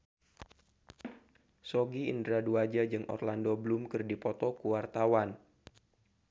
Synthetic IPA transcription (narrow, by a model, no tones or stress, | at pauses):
soɡiḭndɾaduad͡ʒad͡ʒɨŋʔɔ̰rlandobəlumkɨrdipɔt̪ɔkuwart̪awan